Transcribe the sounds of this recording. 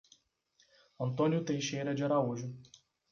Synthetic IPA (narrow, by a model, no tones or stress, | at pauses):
ɐ̃nt̪õnjʊt̪ejʃejɾɐd͡ʒaɾauʒʊ